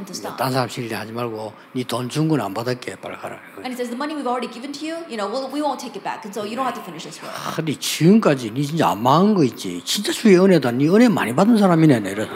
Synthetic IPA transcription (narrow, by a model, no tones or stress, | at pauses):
tstt͈ansʰaɾamɕʰiɾidehad͡ʑimaɭɡo | nitont͡ɕʰuŋɡuna̰nbadak͈epa̰ɭkʰaɾa̰eɨ̃nisɛzðəmʌniwivɔlˠɹɛɾiɡɪvɨ̃ntʰɨjujɨnoʊwɪlˠwiwõʊ̃ntʰeɪkɨt̚b̥æ̰knsoʊjɨɾõʊ̃nhav̥tʰɨfɪnɪʃɨsndit͡ɕiɯmk͈ad͡ʑinit͡ɕint͡ɕ͈a̰a̰nmanɡʌit̚t͡ɕ͈ḭt͡ɕint͡ɕ͈at͡ɕʰujeɯnedaniʌnema̰ɲibadɯns̬ʰaɾamineneɾʌ